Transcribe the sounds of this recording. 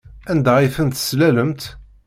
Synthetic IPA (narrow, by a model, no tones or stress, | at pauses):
ænd̪aʁifənt̪slæləmt̪